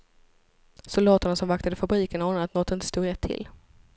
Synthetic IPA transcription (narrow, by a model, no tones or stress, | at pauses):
sʊld̪ɑːt̪əɳasɔmvakt̪ad̪əfabɾiːkənahɔnat̪nɔt̪ːɪnt̪ə̥st̪uːɾɛt̪ʰːɪ̰l